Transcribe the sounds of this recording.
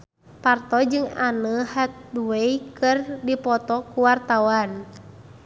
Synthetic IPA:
part̪ɔd͡ʒɨŋanəhat̪̚duejkɨrdipɔt̪ɔkuwart̪awan

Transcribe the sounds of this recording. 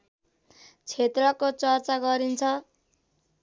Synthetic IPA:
t͡sʰet̪rʌkot͡sʌrt͡saɡʌɾint͡sʰʌ

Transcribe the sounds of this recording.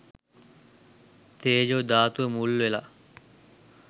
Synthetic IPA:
t̪eːd͡ʒoːd̪aːt̪uəmulːʋela

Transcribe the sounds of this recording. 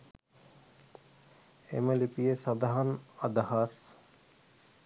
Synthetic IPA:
ḛməlipijesɐd̪ɐɦɐnɐd̪ɐhas

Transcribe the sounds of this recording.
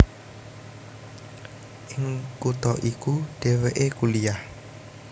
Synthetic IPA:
ʔɪŋkut̪ɔʔikuɖ̥eweʔekulijah

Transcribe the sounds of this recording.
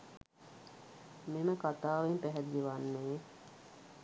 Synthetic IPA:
meməkat̪aːʋempɛɦɛd̪ːiʋanːeː

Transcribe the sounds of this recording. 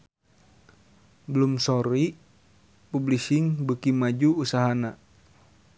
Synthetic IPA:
bəlumsɔɾi | publisiŋbəkimad͡ʒuːsaɦana

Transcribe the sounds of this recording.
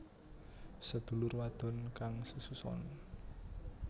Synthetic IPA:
səd̪̥ṳlʊrwad̪̥ɔ̤nkaŋsususɔ̰n

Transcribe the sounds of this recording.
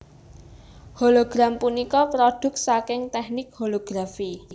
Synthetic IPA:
holoɡ̥ɾampunikɔpɾod̪̥ʊ̤k̚sakɪŋt̪ɛhnɪk̚holoɡ̥ɾafi

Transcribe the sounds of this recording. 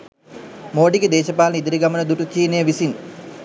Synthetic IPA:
moːɖiɡed̪eːʃɐpaːlnid̪iɾiɡamənəd̪uʈut͡ʃiːnejəʋisin

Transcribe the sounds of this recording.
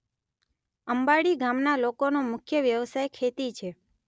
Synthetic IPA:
əmbaɽiɡamnalokonomʊkʰjəʋjəʋsajkʰet̪it͡ʃʰe

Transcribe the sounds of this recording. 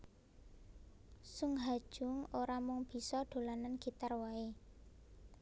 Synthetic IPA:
suŋɦḁʒ̥ʊŋoɾamʊŋb̥i̤sɔɖ̪̥o̤lananɡ̥i̤t̪arwae

